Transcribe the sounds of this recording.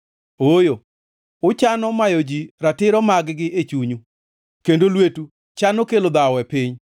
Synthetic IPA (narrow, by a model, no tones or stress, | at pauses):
ojo | ʊt͡ʃanɔmajod͡ʒiɾatɪɾɔmaɡɡɪʔet͡ʃuɲu | kendolwetu | t͡ʃanokelod̪awɛpɪɲ